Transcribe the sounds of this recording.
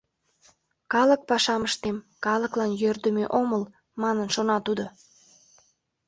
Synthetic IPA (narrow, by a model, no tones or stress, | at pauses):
kɑlək̚pɑʃɑməʃt̪em | kɑləklɑnjørd̪əmeʔoməl | mɑnənʃonɑt̪ud̪o